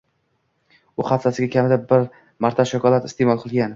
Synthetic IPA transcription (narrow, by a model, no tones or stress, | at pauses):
ʊχɑt̪sasɪɡʲakʲʰamɪd̪abɪɾ | maɾt̪ʰaʃakɒlˠat̪ɪ̥st̪emɒlˠqʰɨlˠɡʲan